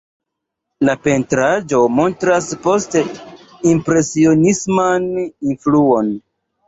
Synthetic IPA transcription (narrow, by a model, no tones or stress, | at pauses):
lape̞ntɾad͡ʒo̞mo̞ntɾaspo̞ste | impɾe̞sio̞nismaninfluo̞n